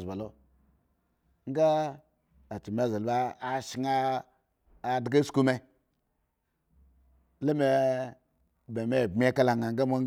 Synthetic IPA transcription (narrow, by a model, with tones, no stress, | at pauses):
zba˨lo˦ | ŋ̩˦ɡa˦ | a˨t͡ʃi˨m˨a˨ze˨lbaː˦˨ʃi˨ŋa˦˨ | dɡe˦sku˦me˨˦ | le˦me˨ | be˨me˦˨bmʲ˦e˦ka˦la˨ŋa˨ŋ˦ɡa˦mo˦